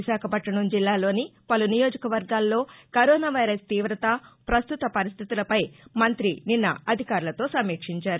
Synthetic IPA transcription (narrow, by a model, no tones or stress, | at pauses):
iʃaːkʰɐpɐʈːɐɳumd͡ʒilːaːlo̞ːnipɐlunijoːd͡ʒɐkɐʋɐɾɡaːlːo̞ːkɐɾoːnaːʋɐjɾɐst̪iːʋɾɐt̪ɐpɾɐst̪ut̪ɐpɐɾist̪ʰit̪ulɐpɐjmɐnt̪ɾininːɐ̰ɐd̪ʱikaːɾulɐt̪o̞ːsɐmiːkʂiɲt͡ʃaːɾu